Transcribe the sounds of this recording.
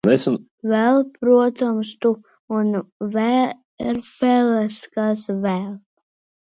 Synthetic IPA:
nɛsun | vɛlˠpɾuɔt̪ɔmst̪u | unvɛ | iɾfɛlɛskasvɛl

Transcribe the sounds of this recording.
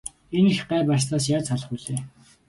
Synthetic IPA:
enixɢæːpast̪aːs̬jaːt͡saɮə̆χuːɮeː

